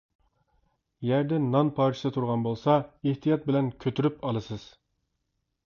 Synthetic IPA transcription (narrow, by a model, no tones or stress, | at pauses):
jæɾd̪ɛnɑnpʰɑɾt͡ʃʰsɨt̪ʰuɾʁɑnbolˠsɑeht̪ʰijɑt̪̚bɪlɛnkʲʰøt̪ʰyɾypɑlˠɨsɨz̥